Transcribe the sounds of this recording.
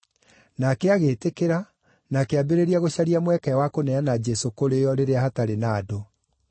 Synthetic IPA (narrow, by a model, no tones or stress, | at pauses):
nakeaɣeːtekeɾa | nakeabeɾeɾiaɣoɕaɾiamwɛkɛwakonɛanad͡ʒɛsokoɾejɔɾeɾeahataɾenaːdo